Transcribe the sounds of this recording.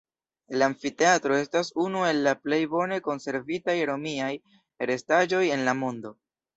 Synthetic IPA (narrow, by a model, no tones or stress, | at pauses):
laɱfite̞atɾo̞e̞stasunue̞lːaple̞jbo̞ne̞ko̞nse̞ɾvitajɾo̞miaj | eɾe̞stad͡ʒo̞je̞nlamo̞ndo̞